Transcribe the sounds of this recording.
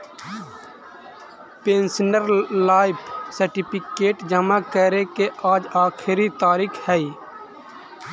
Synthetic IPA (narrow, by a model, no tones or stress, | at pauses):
pẽːnsnəɾlaːɪpʰsəɾʈɪpʰɪkeːʈd͡ʒəmaːkəɾekeʔaːd͡ʒaːkʰɾit̪aːɾiːkʰhɛiː